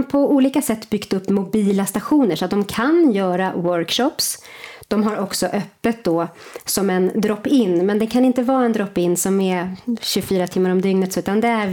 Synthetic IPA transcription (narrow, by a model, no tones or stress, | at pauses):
pʰɔuːliːkasɛt̪ːbʏɡt̪ɵpːmʊbiːlast̪aɧuːnəʂat̪̚d̪ɔmkʰanjœːɾawœɾkʂɔpsd̪̥ɔmɦaɾɔksɔʔœpːət̪̚d̪ɔ | sɔmɛnd̪ɾɔpːɪnːmɛnd̪ɛnkʰanɪnt̪əvɑːɾaɛnd̪ɾɔpːɪnːsɔmɛɕɵfyːɾat̪ʰɪmːaɾɔmd̪ʏŋnət̪sʉ̟ːt̪and̪ɛæɾ